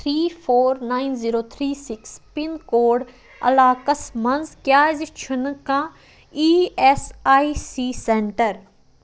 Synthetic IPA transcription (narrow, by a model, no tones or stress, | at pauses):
t̪ʰɾiːfoːɾnaːinziːɾoːt̪ʰɾiːsɪkspɪnkoːɖ | ɐ̰laːkəsmɐnzkjaːzit͡ʃʰʊnkãː | iːesaːisiːsẽːɳʈəɾ